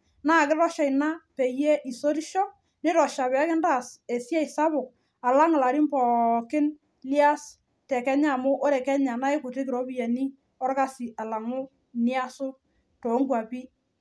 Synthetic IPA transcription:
naː˦˨kɪ˦rɔ˦ʃa˨jna˦pɛ˨je˦ʔi˨so˦ɾi˦ʃɔ˦ | nɪ˦ɾɔ˨ʃa˨βɛ˨a˦kɪ˦nda˦˨se˨sja˦ɪ˨sa˦βʊ˨k̚ | a˨la˦ŋ˨la˨ɾi˦mpɔ˨kɪ˦n | li˦a˦s | tɛ˨kɛ˦ɲa˦˨mʊ˦ʔo˦ɾɛ˨kɛ˦ɲa˨na˦jɪ˦kʊ˨te˦k̬ɪ˨ɾɔ˦bi˦jɛ˨ni˦ | ɔ˦rka˦si˨ʔa˨la˨ŋʊ˦ | nɪ˦a˦sʊ˦ | to˨˦ŋɡwa˨pi˦

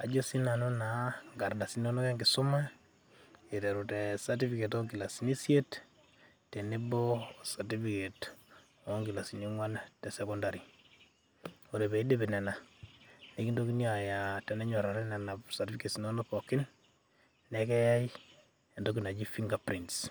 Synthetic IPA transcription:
a˨d͡ʒo˦si˦na˨nu˦na˨ŋɡa˨ɾda˨si˦no˦no˦ke˦ŋɡɪ˨su˦ma˦ | e˨tɛ˨ɾu˨tɛ˨sa˨ti˦fike˨tɔ˦ŋɡi˨la˨si˨ni˦sje˦t | te˨ne˦bɔ˦satifike˨t | ɔ˦ŋɡi˨la˨si˨niŋwa˦ntɛ˨sɛkɔ˦ndaɾi˨ | o˨ɾe˨be˨i˦de˦bɛ˨nɛ˨na˨ | ne˦ki˦ndoki˦nia˨ja˨tɛ˨nɛ˦ɲɔ˨ɾaɾɛ˦na˨na˨psa˨tifikesi˨no˦nopɔkɪ˦n | nɛ˦kɛ˦ja˦j | e˨ndoki˨na˨d͡ʒi˦fiŋɡa˨pɾints

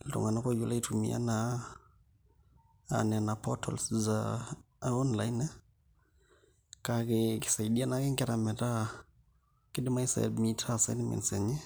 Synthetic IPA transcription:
ltṵ˨ŋa˨na˦ko˦ju˦la˦i˦tumḭa̰˦na | nɛnapʰɔtʰɔ̰lsza | ɔ˦nlajn˦ | kakɪkɪ̥˨sa˨iɗia˦na˦kɛ˦ŋkɛ˦ɾa˨mɛ˨ta˦ | kɪ˦dɪ˦ma˦i˦sa̰˨mitʰasajnmɛ̰˨nsɛ˨ɲɛ˦

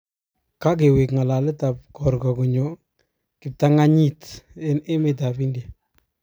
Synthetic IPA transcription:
ka˦k̬e˨wi˨kŋa˨la˨lɛ˦ta˨p̚kɔ˨ɾkɔ˨ku˨ɲɔ˨ | kɪ˨p̚ta˦ŋa˦ɲi˦te˦ne˦me˨t̬a˨pi˦ndja˨

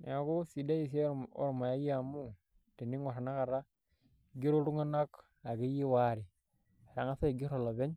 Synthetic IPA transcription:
n˨a˨ko˦si˨da˦ji˨s̬e˦o̰˦ɾma˨ja˦ja˦˨mu˦ | ti˨ni˦ŋwa˨ɾa˨na˦ka˨ɾa˦ | ɡi˦ɾo˦ɾu˦ŋa˦na˦k | a˨ɡi˦ji˦wa˦ɾi˨ | a˨ɾa˨ŋa˦sa˦i˨ɡi˦ɾo˨lo˨be˦ɲ

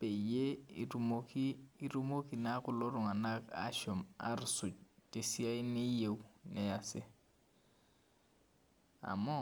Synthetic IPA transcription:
pe˨je˦ɾumokiː˦ɾu˦mo˦ki˨na˦kʊ˦lɔ˦ɾʊ˨ŋa˨na˦ka̰˦ʃɔ˨ma̰˦ɾsʊ˨t͡ʃe˨si˦a˦ɪ˦nɪ˦je˨u˦nɛ˦˨a˨sɪ˦ | a̰˨mɔ˦

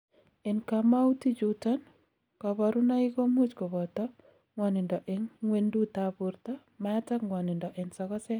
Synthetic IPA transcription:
e˨nka˨ma˦u˦ti˦d͡ʒutɔ˦n | kɔ˨βɔ˨ɾu˦na˦i˦ko˦mu˦t͡ʃkɔ˨βɔ˨tɔ˦ | ŋwɔ˨nɪ˨ndɔ˨ʔe˨ŋŋwe˦ndu˦ta˦pu˨ɾt̪ɔ˦ | ma˦ta˦ŋwɔ˨nɪ˨ndɔ˨ʔe˨nsɔ˨kɔ˦sɛ˦

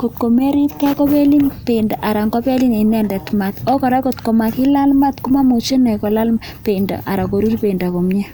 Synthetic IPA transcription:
ko˨tko˨me˦ɾi˦tkɛ˦ko˦pe˦li˦npe˨nda˨ʔa˨ɾa˨ŋɡo˦pe˦li˦ne˨nɛ˦ndɛ˨tma˨t̪o˦kɔ˨ɾa˦ko˨tko˨ma˨ki˦la˦lma˦tku˦ma˦mo˨t͡ʃe˦nɛ˨ko˨la˦lm | pe˨nda̰˨ʔa˨ɾa˨ko˨ɾu˦rpe˨nda˨ko˨mɲɛ˦

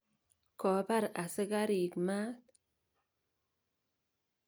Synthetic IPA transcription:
ko˨ba˦ɾa˨sə˦ɡa˦ɾiː˨kma˦t̪

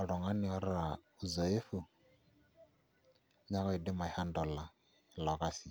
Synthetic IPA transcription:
ɔ˨ɺɔ˨ŋa˦ni˦ɔ˨ɾɪ˦ɾa˨ | u˨zɔ˨e˦fu˦˨ | ɲa˦kɔ˦i˨dɪ˦ma˨iha˦ndɔ˨la˨ | lɔ˨ka˦si˨

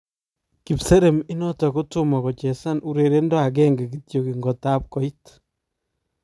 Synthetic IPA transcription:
ki˨pse˦ɾe˨mi˦nɔtɔ˨kutʊmɔ˨kɔ˨t͡ʃɛ˨sa˦nʔu˦ɾe˨ɾe˦ndɔ˦a˨k̬ɛŋɡɛ˨ɡitjo˨ki˨ŋɡɔ˨ta˦p̚kɔ˦it

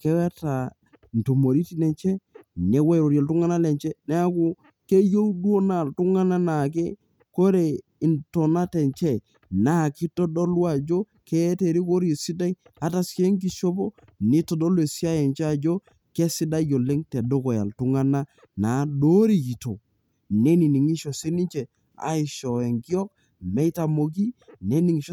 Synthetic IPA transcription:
ke˦wa˦ta˨ | n̩˨to˨mo˨ɾi˦ti˦nɛ˨nt͡ʃɛ˦ne˦wa˦˨ɾo˨ɾja˨ltu˦ŋa˦na˦lɛ˨ɲt͡ʃɛ˦ne˦a˦ku˦ | ke˦jo˦dwo˦na˨ltu˦ŋa˦na˦na˨k̬ḛ˦ | ko˦ɾe˨ | i˨nto˨na˦tɛ˨nt͡ʃɛ˦ | na˨˦˨ki˦to˦do˦lwa˨d͡ʒo˦ | ke˦te˨ɾi˦ko˦ɾje˨si˦da˦i˦ | a˨˦ta˦ske˦ŋk̬i˨ʃo˦po˦ | ni˦to˨do˦lwe˨si˦a˦jɛ˨nt͡ʃɛ˦a˨d͡ʒo˦ | ke˦si˦da˦jo˨le˦ŋte˨do˦ko˨ja̰˨ltu˦ŋa˦na˦ | na˨˦do˦ɾi˨ki˨to̰˨ | ne˦ni˨ni˨ŋi˦ʃo˨si˦ni˦ɲt͡ʃe˨ | a̰˨ɪ˨ʃɔ˨e˨ŋki˦ɔ˦k̚ | mɛ˦ta˨mo˨k̬i˦ne˦ni˨ŋi˨ʃ

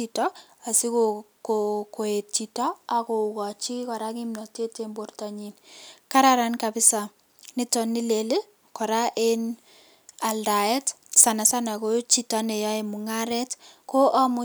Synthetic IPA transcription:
itɔ˦a˨si˦ko | koko˨e˨t̚t͡ʃi˨tɔ˦a˨ko˨ukɔ˨t͡ʃi˦kɔ˨ɾa˦ki˦mnɔ˨te˦te˦mbo˦rtɔ˨ɲi˨nka˦ɾaɾa˨nkapɪ˦sa | nɪ˦tɔ˨ni˦le˨le˦ | kɔ˨ɾa˦ʔe˦n | a˨lda˨ɛ˦t | sa˨na˨sa˦na˨ko˦t͡ʃi˨tɔ˦ne˨jɔ˦e˨mu˨ŋa˦ɾɛ˦tko˦ʔa˦mʊ˦

